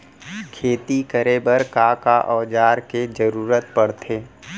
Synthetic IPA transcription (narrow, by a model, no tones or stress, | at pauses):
kʰeːt̪ikəɾeːbəɾkaːkaʔɔːd͡ʒaːɾked͡ʒəɾuːɾət̪pəɽt̪ʰeː